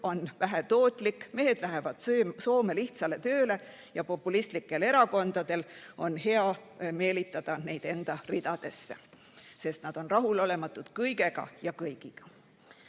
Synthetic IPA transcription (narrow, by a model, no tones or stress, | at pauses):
o̞nvæɦæt̪o̞ːt̪ːˑlikːme̞ɦe̞d̪̥læɦevɑd̪̥sso̞ːme̞liht̪sɑle̞t̪ø̞ːle̞ | jɑpo̞pːˑulist̪likːˑe̞le̞ɾɑko̞nd̪̥ɑd̪̥e̞lo̞nhe̞ɑme̞ːlit̪ːˑɑd̪̥ɑnejd̪̥e̞nd̪̥ɑrid̪̥ɑd̪̥e̞sːe | se̞st̪nɑd̪̥o̞nrɑɦulo̞le̞mɑt̪ːˑud̪̥kɤjɡe̞ɡ̥ɑ̰jɑkɤjɡ̥iɡ̥ɑ̥